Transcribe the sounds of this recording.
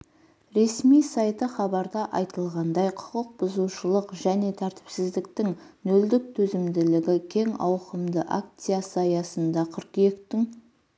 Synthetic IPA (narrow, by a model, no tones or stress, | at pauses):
ɾe̞smijsɑjt̪əχɑbɑɾd̪ɑʔɑjt̪əlˠʁɑnd̪ɑjqʰʊ̥qəq̚bʊzuwʃəlˠəqʒæne̞t̪ʰæɾt̪ɪ̥psɪzd̪ɪk̚t̪ɪŋ | nɵld̪ɪk̚t̪ʰɵzɪmd̪ɪlɪɡʲɪkʲʰe̞ŋɑ̰wqəmd̪əʔa̰k̚t̪sijasəɑjɑsənd̪ɑqʰʏɾkje̞kt̪ɪŋ